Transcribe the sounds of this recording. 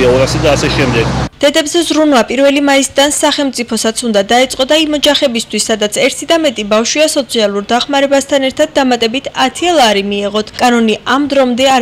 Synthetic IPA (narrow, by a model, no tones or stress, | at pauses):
aɔɾasad̪aːsɛʃɛmd̪ɛɡd̪̥ɛd̪ɛbzɛzɾunvapʼiɾvɛlimaisid̪ansaχɛlˠmt̪sʼipʰɔsat̪sʰund̪ad̪ait̪sʼqʼɔd̪aimɔd͡ʒaχɛbist̪ʰwisːad̪at̪sʰɛɾt̪ʰid̪amɛt̪ʼibafʃwiasɔt̪sʰialˠuɾd̪aχmaɾɛbast̪ʰanɛɾt̪ʰad̪ːamat̪ʼɛbit̪ʰat̪ʰialˠaɾimiɛʁɔt̪ʰkʼanɔniʔamd̪ɾɔmd̪ɛa